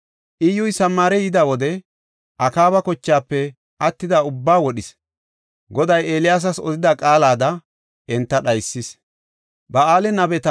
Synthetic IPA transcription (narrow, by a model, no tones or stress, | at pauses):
ʔɪjʊjsɐmːaːɾɛjɪd̪awɔd̪ɛ | ʔɐkaːβɐkɔt͡ʃːaːpːɛ | ʔɐt̪ːɪd̪aʊbːaːwɔɗɪs | ɡɔd̪ɐjeːlɪjaːs̬ɐsɔd̪ɪd̪ɐkʼaːlaːd̪ɐ | ʔɛnt̪ːɐɗɐjsːɪs | bɐaːlɛnɐbɛt̪ɐ